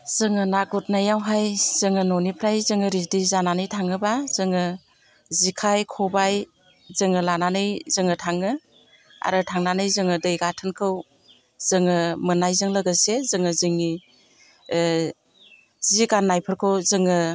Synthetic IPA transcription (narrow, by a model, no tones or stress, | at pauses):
z̥ɯŋɯnaɡɔt̚najawɦajz̥ɯŋɯnɔnipʰɾajzɯŋɯɾisdijzananɯjtʰaŋɯbazɯŋɯ | zikʰajkʰɔbaj | zɯŋɯlananɯjzɯŋɯtʰaŋɯ | a̰ɾɯtʰaŋnanɯjzɯŋɯdɯjɡatʰɯnkʰɯw | z̥ɯŋɯmɯnajzɯŋləɡɯsezɯŋɯzɯŋi | ziɡanːajpʰɯɾkʰɯwzɯŋɯ